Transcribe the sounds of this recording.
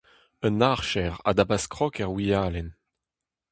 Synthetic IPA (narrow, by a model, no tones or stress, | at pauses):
ənaʁʃɛʁa̰d̪abaskʁɔkɛʁwijaːlɛn